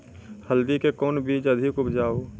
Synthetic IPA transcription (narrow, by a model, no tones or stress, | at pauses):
həld̪ikekɔːnbiːd͡ʒɐd̪ʱikʊbd͡ʒaːoː